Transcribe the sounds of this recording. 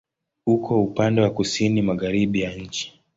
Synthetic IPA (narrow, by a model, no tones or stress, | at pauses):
ukʰɔupandɛwakusinimaɣaɾiɓijaɲ̩t͡ʃi̥